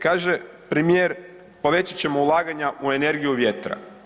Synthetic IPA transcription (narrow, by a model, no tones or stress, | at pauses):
kaːʒe | pɾemijeɾ | po̞ʋe̞t͡ɕat͡ɕe̞mo̞ulˠaːɡaɲaʔue̞ne̞ɾɡijuʋje̞t̪ɾa̰